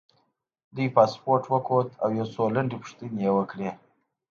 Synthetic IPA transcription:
d̪ujpaspoɾʈwəkʰot̪a̰wjasolaɳɖipʊ̥ʂt̪injewəkɽe

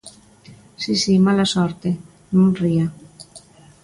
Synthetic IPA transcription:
sisimalasoɾt̪e | nũnria

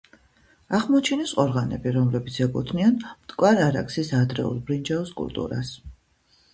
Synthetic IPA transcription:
aχmɔt͡ʃʰinɛsʼqʼɔɾʁanɛ̰biɾɔmlɛbit̪sʰɛkʼut̪ʰnianmt̪ʼkʼwaɾaɾa̰ksisad̪ɾɛ̰ṵlˠbɾind͡ʒaɔskʼṵlt̪ʼṵɾa̰s

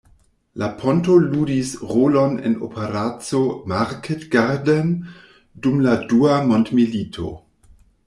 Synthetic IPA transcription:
lapʰontoluːdisʁolonḛno̰pʰeɾat͡somaɾkʰetɡ̥aɾden | dumladuamontmilitʰo̰

